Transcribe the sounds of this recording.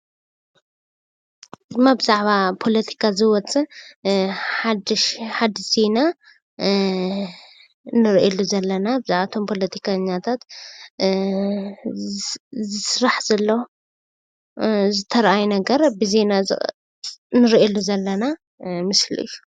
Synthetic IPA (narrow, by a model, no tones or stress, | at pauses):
d̪ɨmːabɨzaʕβapʰo̞lɐt̪ʰi̥kʰazɨwɔt͡sʼɨ | ħad̪ʃħad̪z̥e̞na | nɨɾʔelːuzɐlːɐnabɨzaʕβat̪ʰo̞mpʰo̞lɐt̪ʰi̥kʰaɲːat̪ʰat̪ | zɨsɾaħzɐlːɐw | zɨt̪ʰɐɾʔajnɐɡɐɾbɨze̞na | nɨɾʔelːuzɐlːɐna | mɨslḭju